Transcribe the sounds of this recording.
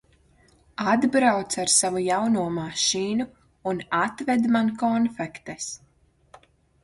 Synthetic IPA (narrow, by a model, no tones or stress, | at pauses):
ad̪bɾawt̪saɾsavujawnuɔmaʃiːnu | unat̪vɛd̪mankɔnfɛkt̪ɛs